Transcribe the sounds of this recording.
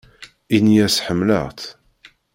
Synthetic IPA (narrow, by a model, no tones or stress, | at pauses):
injæsħəmːlə̰ʁt̪